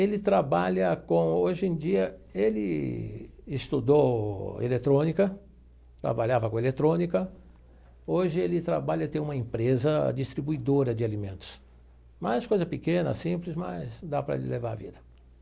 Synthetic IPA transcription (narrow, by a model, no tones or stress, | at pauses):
elɪt̪ɾabaʎɐkõoʒẽd͡ʒiɐelɪ | ɪst̪ud̪owḛlet̪ɾõnikɐ | t̪ɾa̰baʎavɐkõelet̪ɾõnikɐ | oʒɪelɪt̪ɾabaʎɐt̪ẽũmɐẽpɾezɐ̰d͡ʒist̪ɾibuid̪oɾɐd͡ʒɪalimẽnt̪ʊ̥s | mɐskojzɐpɪkẽnɐ̰sĩplɪsmɐ̰sd̪apɾɐḛlɪlevaɾavḭd̪ɐ